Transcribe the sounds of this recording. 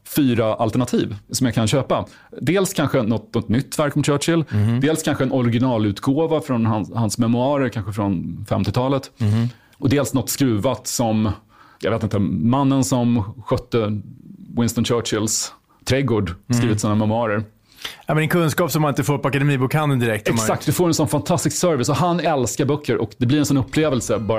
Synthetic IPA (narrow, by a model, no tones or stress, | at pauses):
fyːɾaʔalt̪ɛɳat̪ʰiːvsɔmjakʰanɕøːpa | d̪eːlskʰanɧənɔt̪nɔt̪nʏt̪ːvæɾkɔmt͡ʃʰœːʈʂɪld̪eːlskʰanɧəɛnɔɾɪɡɪnɑːlʉ̟ːt̪ɡoːvafɾɔnhanhansmɛmɵɑːɾəɾkʰanɧəfɾɔnfɛ̰mt̪ɪt̪ʰɑːlət̪ | ɔd̪eːlsnɔt̪ːskɾʉ̟ːvat̪sɔm | jɑɡveːt̪ɪnt̪əmanːənsɔmɧœt̪ːə | wɪnst̪ɔnt͡ʃœːʂɪls | t̪ʰɾɛɡoːɖskɾiːvɪt̪sɔːnamɛmʉɑːɾəɾ | ɛmɛnɛnkʰɵnskɑːpsɔmhanɪnt̪əfoːɾpɔakad̪ɛmiːbuːkhand̪ənd̪ɪɾɛk̚t̪ɛmkak̚t̪d̪ɵfoːɾɛnsɔnfant̪ʰast̪ɪsksœɾvɪsɔhanːɛlskaɾbœkʰːəɾʔɔkd̪ɛblɪɾɛnsɔnɵpʰːleːvɛlsəbɑːɾ